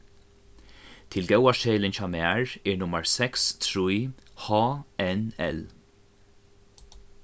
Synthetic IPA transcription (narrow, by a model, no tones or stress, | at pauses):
t̪ʰɪlɡɛwaʃɛːlɪnt͡ʃamaːɹɪɹnʊməɹsɛkst̪ʰɾujhɑːɛnɛ̰l